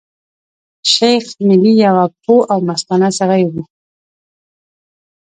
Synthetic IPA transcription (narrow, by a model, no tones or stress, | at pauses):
ʃajxmɪlijawapʰoʔawmast̪ɑnasaɣajɡu